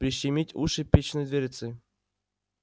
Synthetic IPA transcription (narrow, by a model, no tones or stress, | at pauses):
pɾʲiɕɪmʲitʲuʂɨpʲet͡ɕnɨjd̪vʲeɾʲɪt̪sɨ